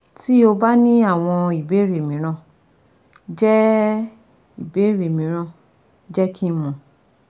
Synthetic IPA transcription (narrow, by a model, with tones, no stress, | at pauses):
ti˦o˧ba˦nĩ˦a˦˨w̃ɔ̃˧i˨be˨˦ɾe˨mĩ˨˦ɾ̃ã˧˨ | d͡ʒɛ˦ | i˨be˨˦ɾe˨mĩ˨˦ɾ̃ã˧ | d͡ʒɛ˦kʰĩ˦mɔ̃˧˨